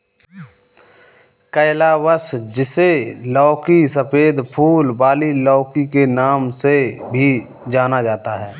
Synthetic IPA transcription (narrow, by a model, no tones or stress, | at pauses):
kəɪlawəsd͡ʒɪselɔːkisəpʰeːd̪pʰuːlbaːlilɔːkikenaːmsebʱi | d͡ʒaːnad͡ʒaːt̪aɦɛː